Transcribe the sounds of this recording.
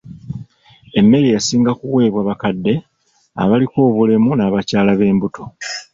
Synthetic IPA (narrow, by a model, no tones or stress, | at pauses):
e̞mːe̞ɾijasiːŋɡakuwe̞ːβwaβakadːe̞ | a̰βaliko̞ːβulemunaβacaːlaβe̞ːmbutʰo̞